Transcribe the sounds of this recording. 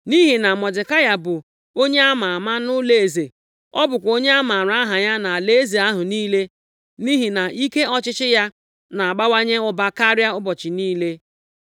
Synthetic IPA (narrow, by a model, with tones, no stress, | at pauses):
ni˦ɦi˨na˨mɔ˨dɪ˨ka˦ja˦bʊ˨ | o˦ɲe˦a˦ma˨a˨ma˦nʊ˦le˨e˨ze˨ | ɔ˦bʊ˨kʷo˦ɲe˦a˦ma˨ɾa˦ɦa˨ɲa˦na˨a˨le˦ze˨a˦ɦʊ˨niː˦le˦ | ni˦ɦi˨na˨ʔi˦ke˦ɔ˦t͡ʃɪ˦t͡ʃɪ˦ja˦ | na˨a˨ɡ͡ba˦wa˦ɲe˦ʊ˦ba˦ka˦ɾja˦ʊ˦bɔ˨t͡ʃɪ˨niː˦le˦